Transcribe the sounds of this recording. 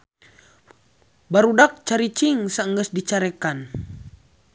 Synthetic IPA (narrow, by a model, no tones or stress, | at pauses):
baɾudak̚t͡ʃaɾit͡ʃiŋsaəŋɡəsdit͡ʃaɾɛkan